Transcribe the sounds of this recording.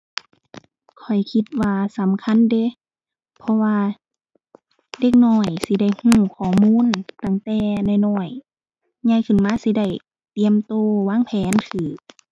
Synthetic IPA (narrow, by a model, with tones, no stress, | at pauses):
kʰɔ˨˩jkʰi˧t̪̚waː˧sa˨˦mkʰa˧˥˨nde˧˦ | pʰɔ˧waː˧ | de˧k̚nɔː˧˩jsi˧˦da˧˩jhũː˧˩kʰɔː˧˩muː˧˥˨nt̪a˧˩ŋt̪ɛː˧na˧˩˨jnɔː˧˩j | ɲa˧˨jkʰɯ˧˩˨nmaː˧˥˨si˧˦da˧˩j | t̪i˧˨əmt̪oː˧waː˧˥˨ŋpʰɛː˨˦nk̪ʰɯː˨˩